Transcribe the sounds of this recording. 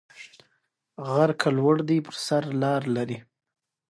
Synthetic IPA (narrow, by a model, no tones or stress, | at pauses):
ɣaɾkʰalwəɽd̪ipəɾsaɾlɑɾlaɾi